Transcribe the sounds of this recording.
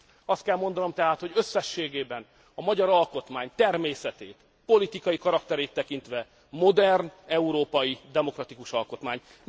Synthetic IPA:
ɒst̪kɛlmo̞nd̪ɒno̞mt̪ɛɦaːt̪ho̞ɟø̞sːɛʃːeːɡeːbɛn | ɒmɒɟɒɾɒlko̞t̪maːɲt̪ɛrmeːsɛt̪eːt̪ | po̞lit̪ikɒjikɒɾɒkt̪ɛɾeːt̪ːɛkint̪ʋɛ | mo̞d̪ɛrnɛuɾoːpɒjid̪ɛmo̞krɒt̪ikuʃɒlko̞t̪maːɲ

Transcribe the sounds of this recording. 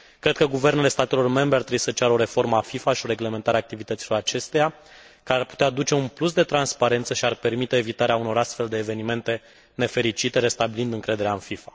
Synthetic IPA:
kɾe̞d̪̥̚kəɡuve̞ɾnele̞st̪at̪e̞lo̞rme̞mbɾeart̪ɾebuisət͡ʃaɾəo̞ɾe̞fo̞rmafifaʃio̞ɾe̞ɡle̞ment̪aɾaːk̚t̪ivit̪ət̪silo̞ɾat͡ʃe̞st̪e̞ja | kəarput̪ead̪ut͡ʃe̞unplusd̪e̞t̪ɾanspaɾe̞nt̪səʃiarpe̞rmit̪eːvit̪aɾeauno̞ɾast̪fe̞ld̪e̞ːve̞nime̞nt̪e̞ | ne̞fe̞ɾit͡ʃit̪e̞ɾe̞st̪abilind̪ɨŋkɾe̞d̪e̞ɾeaɨnfifa

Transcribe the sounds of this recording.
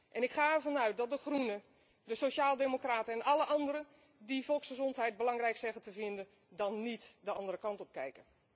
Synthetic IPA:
ʔɛnɪkχaːɛrvɑnœɥt̚dɔt̚dəxrunə | dəsoʃaːlˠdemokraːtəɛnɑləʔɑndəɾə | difɔlˠksχəzɔntɦɛjt̚bəlɑŋrɛjksɛɣətəvɪndən | dɔnːitdəɑndərəkɑntɔp̚kɛjkə

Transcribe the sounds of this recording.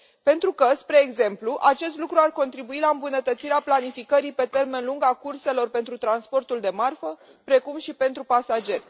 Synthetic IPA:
pe̞nt̪ɾukəspɾe̞ːɡze̞mpluʔat͡ʃe̞st̪lukɾuarko̞nt̪ɾibuilaɨmbunət̪ət̪siɾeaplanifikəɾipe̞t̪e̞rme̞nluŋɡakurse̞lo̞rpe̞nt̪ɾut̪ɾanspo̞rt̪uld̪e̞marfə | pɾe̞kumʃipe̞nt̪ɾupasad͡ʒe̞rʲ

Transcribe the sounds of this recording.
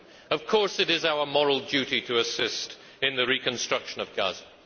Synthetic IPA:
ʌv̥kʰɔɹsɨɾɪzaʊə˞mɔɹl̩ˠdʉɾiɾɨːsɪst | ɨ̃nðɨɹikʰɨ̃nstɹ̥ʌkʃə̃nʌvɡʌ̰z̥

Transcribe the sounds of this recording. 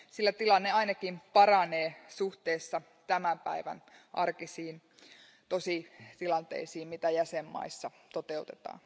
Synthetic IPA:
silːæt̪ilɑnːeɑinɑkimpɑrɑneːsuht̪eːsːɑ | t̪æmæmpæiʋæ̰nʔɑrkisiːn | t̪osit̪ilɑnt̪ḛisiːmmit̪æjæsemːɑ̰isːɑ | t̪ot̪eut̪et̪ɑ̰ːn

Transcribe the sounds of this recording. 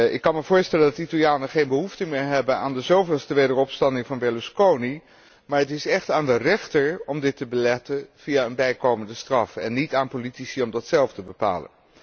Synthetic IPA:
ʔɪkːɑnməvʊːɹstɛləndɑtitalˠjaːnəχejnbəɦuftəmɪːɹɦɛbəna̰ːndəzowvɪːlˠstəʋejdərɔpstɑndɪŋvɑnbɛluskowni | maːɹɦətɪsɛχtaːndərɛχtəɹɔmdɪtːəbəlɛtənv̥ijaːənbɛjkowməndəstrɑfɛ̰nːitaːnpolitisiɔmdɑtsɛlˠftəbəpa̰ːlə̰n

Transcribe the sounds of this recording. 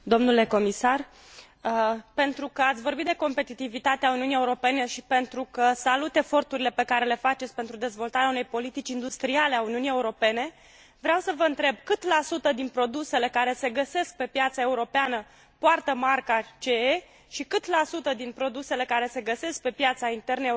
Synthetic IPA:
d̪o̞mnule̞ko̞misar | əpe̞nt̪ɾukəat̪sʲvo̞rbit̪d̪eko̞mpe̞t̪it̪ivit̪at̪eauniunijeuɾo̞pe̞ne̞ʃipe̞nt̪ɾukəsalut̪e̞fo̞rt̪uɾile̞pe̞kaɾe̞le̞fat͡ʃe̞t̪sʲpe̞nt̪ɾud̪e̞zvo̞lt̪aɾeaunejpo̞lit̪it͡ʃind̪ust̪ɾiale̞auniunije̞uɾo̞pe̞ne̞ | vɾeawsəvəɨnt̪ɾe̞bkɨt̪lasut̪əd̪inpɾo̞d̪use̞le̞kaɾe̞se̞ɡəse̞sk̚pe̞pjat̪sae̞uɾo̞peanə | poart̪əmarkat͡ʃee | ʃikɨt̪lasut̪əd̪inpɾo̞d̪use̞le̞kaɾe̞se̞ɡəse̞sk̚pe̞pjat̪saint̪e̞rnəe

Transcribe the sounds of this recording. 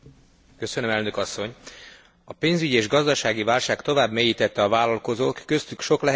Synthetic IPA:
kø̞sønømɛlnø̞kɒsːo̞ɲ | ɒpeːnzyɟieːʒɡɒzd̪ɒʃaːɡivaːlʃaːkt̪o̞vaːbmejiːt̪ɛt̪ːɛɒvaːlɒlko̞zoːk̪ːø̞st̪ykʃo̞klɛ

